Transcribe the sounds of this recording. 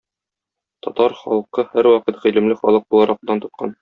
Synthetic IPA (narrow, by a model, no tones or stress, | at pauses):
t̪ɒt̪ɑɾχɒlˠɤqɤhæɾwɒqɤt̪ʁilɘ̆mlɘχɒlˠɤq̚bulˠɑɾɑq̚d̪ɑnt̪ŏt̪̚qʰɑn